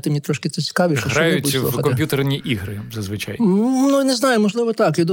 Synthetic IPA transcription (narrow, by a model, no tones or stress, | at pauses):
t̪ɪmnʲit̪ɾɔʃkɪsɛt͡sʲi̥kɑʋʲiʃɐɦɔnj̪ɐʊbud̪ɔ̰ɐdkɔmɐmpʲjut̪ernʲiʔiɦɾɪzɐzʋɪt͡ʃa̰jnunɛznɑjʊmɔʒlˠɪʋɔt̪ɑkjʲid̪